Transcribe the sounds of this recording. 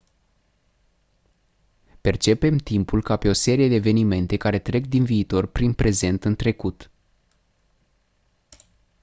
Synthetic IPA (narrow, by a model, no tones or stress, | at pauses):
pe̞rt͡ʃe̞pe̞mt̪impulkape̞o̞se̞ɾije̞d̪e̞ːve̞nime̞nt̪e̞kaɾe̞t̪ɾe̞k̚d̪inviːt̪o̞rpɾinpɾe̞ze̞nt̪ɨnt̪ɾe̞kut̪